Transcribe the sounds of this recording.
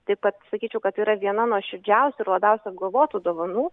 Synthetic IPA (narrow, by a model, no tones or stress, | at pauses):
t̪ɐɪp̚kɐt̪sɐkʲiːt͡ʃʲɛʊkɐt̪iːɾɐʋʲiɛnɐnuɔʃʲɪɾʲd͡ʒʲɛʊsʲʊɪrlˠɐbʲɛʊsʲʊɐbɡɐlˠʋoːt̪uːd̪oɔʋɐnuː